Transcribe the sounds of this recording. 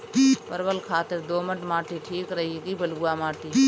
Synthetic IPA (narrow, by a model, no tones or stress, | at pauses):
pəɾbəlkʰaːt̪ɪɾd̪oːməʈmaːʈiʈʰiːkɾɐɦikibəlɡuaːmaːʈiː